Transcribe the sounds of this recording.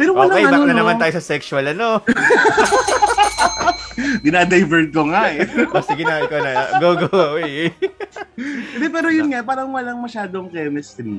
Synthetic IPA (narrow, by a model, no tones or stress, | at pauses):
pɛːɾowɐlɐkɐibɐnɐnɐmanaːjosɐsɛksʊɐlɐno | ɡɪnaːd̪ɐjvɛɹt̪̚koŋaʔɛosɪɡɪnaːɪkonɐɡoɡowi | ɛnd̪ɛpɛːɾojʊnŋapaːɾɐŋwɐlɐŋmɐʃaːd̪oŋkɛːmɛst̪ɪn